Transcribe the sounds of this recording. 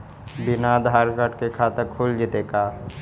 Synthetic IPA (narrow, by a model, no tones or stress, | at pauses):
bɪnad̪ʱaɾɡəʈkekʰat̪əɾkʰuld͡ʒit̪eka